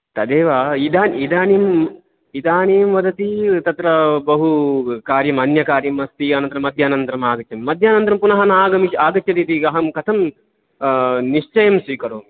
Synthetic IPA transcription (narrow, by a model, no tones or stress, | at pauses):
t̪ɐd̪eːʋaːid̪aːnid̪aːneːm | id̪aːneːmʋɐd̪ʱɐt̪it̪ɐt̪ɾɐbɐɦukaːɾjɐmɐnjɐkaːɾjɐmɐst̪iɐnɐnt̪ɾɐmɐd̪ʱjaːnɐnt̪ɾɐmaːɡɐtːjɐmmɐd̪ʱjaːnɐnt̪ɾɐmpunɐɦɐnaːɡɐmiʃaːɡɐt͡ʃt͡ʃɐt̪iːt̪iɐɦɐmkɐt̪ʰɐm | niʃt͡ʃɐjɐmsʋiːkɐɾoːm